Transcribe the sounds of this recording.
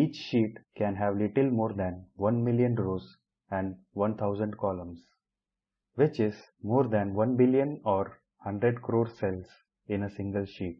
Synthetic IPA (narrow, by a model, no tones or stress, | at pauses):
iːt͡ʃʃiːʈkɛ̃nɦæʋlɪʈəlmoːɾd̪æ̃nʋʌ̃nmɪljə̃nɾoːs | ɛ̃ɳɖ | ʋʌ̃nt̪ʰaʊzə̃ɳɖkɔːlə̃ms | ʋɪt͡ʃɪz | moːɾd̪æ̃nʋʌ̃nbɪljə̃nɔːɾ | hʌ̃ɳɖɾeɖkɾoːɾsɛls | ɪ̃nəsɪ̃ŋɡəlʃiːʈ̚